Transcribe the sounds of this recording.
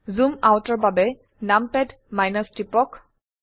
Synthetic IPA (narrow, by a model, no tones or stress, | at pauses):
zumawtɔɹbabɛ | nampɛd | majnɔstipɔk